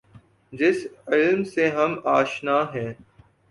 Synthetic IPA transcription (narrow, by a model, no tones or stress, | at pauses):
d͡ʒɪsɪlmseɦɐmaːʃnaːɦɛ̃ː